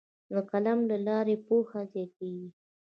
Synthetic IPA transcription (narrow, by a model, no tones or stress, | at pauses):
d̪əkalamlalɑɾepoxazek̚eɡi